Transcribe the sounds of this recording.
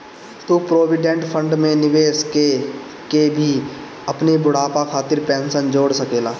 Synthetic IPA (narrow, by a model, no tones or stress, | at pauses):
t̪upɾoːʋɪɖẽɳʈpʰə̃ɳɖmẽnɪʋeːske | kebʱi | ɐpnebʊɽ̤aːpakʰaːt̪ɪɾpɛ̃ːnsənd͡ʒoːɽsəkeːlaː